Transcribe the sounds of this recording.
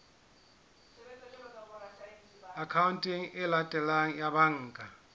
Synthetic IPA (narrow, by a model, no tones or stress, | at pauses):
akʰauntʼiŋɪlatʼɛlajabaŋ̩ːkʼa